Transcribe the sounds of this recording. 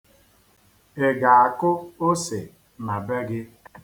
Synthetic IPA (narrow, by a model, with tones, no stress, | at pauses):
e˨ɡa˨a˨kʊ˦o˦se˨ | ma˨be˦ɡɪ˦